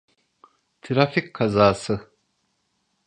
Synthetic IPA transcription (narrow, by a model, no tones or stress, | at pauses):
t̪ʰiɾafikkʰazaːsɯ